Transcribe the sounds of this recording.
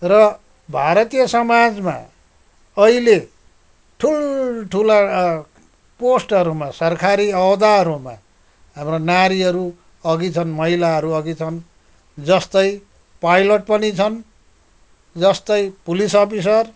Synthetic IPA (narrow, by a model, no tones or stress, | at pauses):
rʌ | bʱaɾʌt̪ijʌsʌmad͡zma̰ | ʌɦile | ʈʰulʈʰula | posʈʌɾumasʌrkʰaɾiʌwd̪aʌɾuma̰ | ɦamronaɾiʌɾu | ʌɡit͡sʰʌnmʌɦilaɦʌɾuʌɡit͡sʰʌn | d͡zʌst̪ʌj | pajloʈ̚pʌnit͡sʰʌn | d͡zʌst̪ʌjpulisʌpʰis̬ʌr